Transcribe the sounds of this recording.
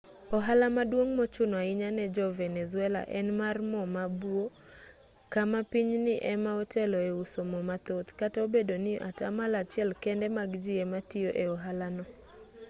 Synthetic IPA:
ɔɦalamadwoŋmot͡ʃʊnɔaɪɲanɛd͡ʒɔvɛnɛzʊɛla̰ʔɛnmarmɔmabwo | kamapiɲnɪʔɛmaɔtɛlɔeusomɔmat̪ot̪katɔobedonɪʔatamalat͡ʃɪɛlkɛndɛmaɡd͡ʒɪɛmatioʔeɔɦalanɔ

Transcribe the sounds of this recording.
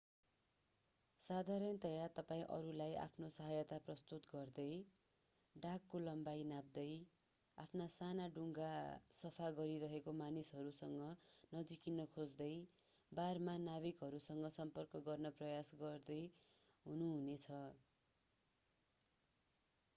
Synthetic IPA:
sad̪ʱaɾʌnt̪ʌjat̪ʌpaĩʔʌ̰ɾulajʔa̰pʰnosʌɦʌjʌt̪aprʌst̪ut̪ɡʌrd̪ʌj | ɖakːolʌmbajnab̚d̪ʌj | a̰pʰnasanaɖuŋɡasʌpʰaɡʌɾiɾʌɦekomanisɦʌɾusʌŋɡʌnʌd͡zikinʌkʰod͡zd̪ʌj | barmanabikɦʌɾusʌŋɡʌsʌmpʌrkʌɡʌrnʌprʌjasɡʌrd̪ʌj | ɦunuɦunet͡sʰʌ

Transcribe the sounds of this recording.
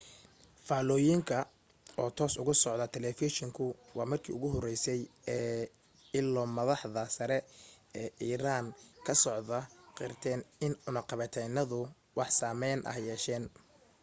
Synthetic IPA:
faːlɔːjɪŋkʰɐ | ɔːt̪ʰɔːsʊɣʊsɔʕðɐt̪ʰɛlɛfiʃɪŋkʰʊwɑːmɐrkʰḭːʊɣʊɦɔrɛjsɛjɛː | ɪlːɔːmɐðɑħðɐsɐɾɛɛːʔiːɾaːnkʰɐsɔʕðɐqɪrt̪ʰɛːnɪnʊnɐqɑβɛt̪ʰɛjnɐðʊ | wɑħsaːmɛjnʔɐ̰hjɛːʃɛːn

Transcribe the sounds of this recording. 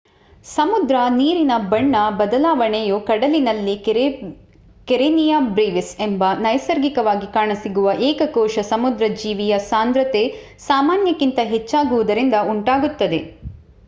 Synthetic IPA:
sɐmud̪ɾɐniːɾinɐbɐɳːɐbɐd̪ɐlaːʋɐɳejukɐɽɐlinɐlːi | keɾenijɐbɾeːʋisembɐnɐjɐsɐɾɡikɐʋaːɡikaːɳɐsiɡuʋɐʔɛːkɐkɔːʃɐsɐmud̪ɾɐd͡ʒiːʋijɐsaːnd̪ɾɐt̪e | saːmaːnjɐkint̪ɐɦet͡ʃːaːɡuʋud̪ɐɾind̪ɐuɳʈaːɡut̪ːɐd̪e̞

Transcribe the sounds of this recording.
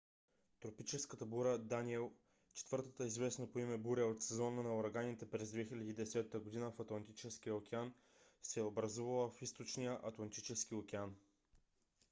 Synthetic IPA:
t̪ɾopit͡ʃɛskət̪əbuɾəd̪aniɛlˠ | t͡ʃɛ̥t̪vɤɾt̪ət̪əizvɛsnəpoimɛbuɾəot̪sɛzɔnənɐoɾɐɡanit̪ɛpɾɛzd̪vɛxilʲɐd̪iid̪ɛsɛt̪ːəɡod̪inəfɐt̪lˠɐnt̪it͡ʃɛskijəok̟ʲɛan | sɛobɾɐzuvɐlˠəfist̪ot͡ʃnijəʔɐt̪lˠɐnt̪it͡ʃɛskiokʲɛan

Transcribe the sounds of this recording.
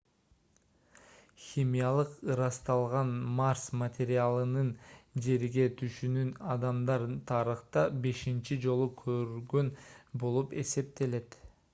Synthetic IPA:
xʲimʲijalˠɯqɯɾɑst̪ɑlˠʁɑnmarsmɐt̪ʲeɾʲɪalˠɯnɯnd͡ʒe̞ɾɡe̞t̪ʰyʃynynɑd̪ɑmd̪ɑɾt̪ʰɑɾɯχt̪ɑbe̞ʃint͡ʃid͡ʒo̞lˠukʰøɾyɡønbo̞lˠupe̞̰se̞p̚t̪e̞le̞t̪

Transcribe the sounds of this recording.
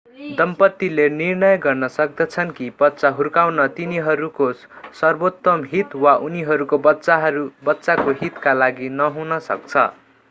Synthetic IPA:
d̪ʌmpʌt̪ːilenirnʌjɡʌrnʌsʌk̚d̪ʌt͡sʰʌnkibʌt̪ːsaɦurkawnʌt̪iniɦʌɾuko | sʌrbot̪ːʌmɦit̪waʔuniɦʌɾukobʌsaɦɾubʌtːsakoɦit̪kalaɡinʌɦunʌsʌ̰k̚t͡sʰʌ̰

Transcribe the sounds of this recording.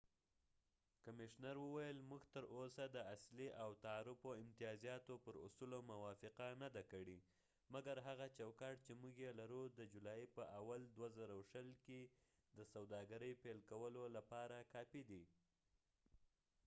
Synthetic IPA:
kamɪʃnaɾwəwajəlmuɡt̪əɾʔosad̪əasliʔawt̪aːɾʊfoɪmt̪ɪjɑzijɑt̪opəɾʊ̰sulomawɑfɪqanad̪akəɽi | maɡaɾɦaɣat͡ʃawkɑʈt͡ʃemuɡjelaɾud̪əd͡ʒulɑjpəʔawald̪wazaɾawʃəlke | d̪əsawd̪ɑɡaɾəjpelkawəlolapɑɾakɑpid̪i

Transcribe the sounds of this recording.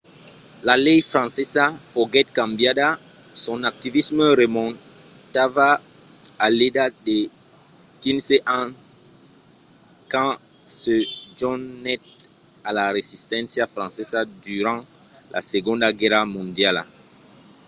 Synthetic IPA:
lalɛjfχɑ̃sɛzafoɡɛt̪̚kãmbjadasɔ̃nak̚t̪ivisməʁemɔ̃nt̪avaː | ledade | kinseʔɑ̃ | kɑ̃səd͡ʒɔnnɛt̪alaɾezist̪ɑ̃sjafɾɑ̃sɛzad̪yɾɑ̃lʔa̰seɡɔ̃d̪ɡɛʁamɔ̃nd̪jal̰

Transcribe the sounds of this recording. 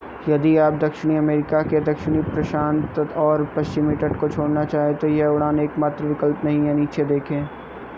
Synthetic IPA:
jɐd̪iaːp̚d̪ɐkʃɪɽ̃iɐmeːɾɪkaked̪ɐkʃɽ̃ipɾɐʃaːnt̪ɔːɾpɐst͡ʃɪmiːʈəʈkot͡ʃʰoːɽnat͡ʃaːɦẽt̪ojeʊɽ̃aːneːkmaːt̪ɾəʋɪkəlpnɐɦĩɦɛniːt͡ʃed̪eːkʰẽː

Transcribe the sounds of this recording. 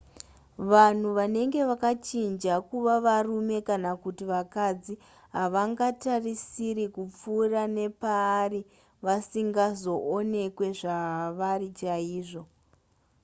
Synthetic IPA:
ʋan̤uʋane̞ŋɡe̞ʋakat͡ʃind͡ʒakuʋaʋarume̞kanakutiʋakad͡zi | ɦaʋaŋɡatarisiɾikup͡fuːrane̞paːri | ʋasiŋɡazo̞ʔone̞kwe̞ʐaɦaʋarit͡ʃaiːʐo̞

